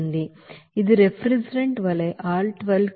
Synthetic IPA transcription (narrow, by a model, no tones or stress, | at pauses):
nd̪i | id̪uɾepʰɾid͡ʒɾeɳʈʋɐleʔaːlʈʋɐl